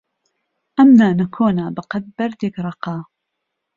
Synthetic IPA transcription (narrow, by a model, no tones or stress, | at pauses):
ʔɐmnaːnɐkʰoːnaːbɐqɐd̪̚bɐɾd̪ekɾˤɑqɑː